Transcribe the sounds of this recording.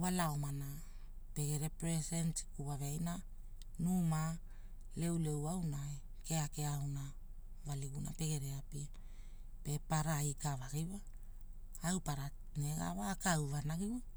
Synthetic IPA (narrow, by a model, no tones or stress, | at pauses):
walaomana | pe̞ɡe̞ɾe̞pɾesentkuβaveajna | numa | le̞wle̞wawnae | ke̞akeawna | valiɡuna̰pe̞ɡe̞ɾe̞apia | pe̞paɾaikavaɡiwaː | wpaɾa | neɡa̰βaːkawvanaɡiwa